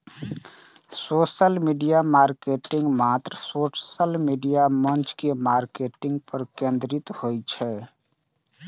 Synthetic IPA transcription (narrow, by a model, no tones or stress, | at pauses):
soːʃəlmiːɖijamaːɾkeːʈɪ̃ŋɡmaːt̪ɾsoːsəlmiːɖijamə̃nt͡ʃkemaːɾkeːʈɪ̃ŋɡ̚pəɾkẽːnd̪ɾɪt̪hoːit͡ʃʰɛː